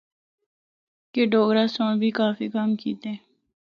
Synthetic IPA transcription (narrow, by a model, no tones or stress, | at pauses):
keɖoːɡɾaːsõːnbʱiːkaːfiːkəmkiːt̪ẽː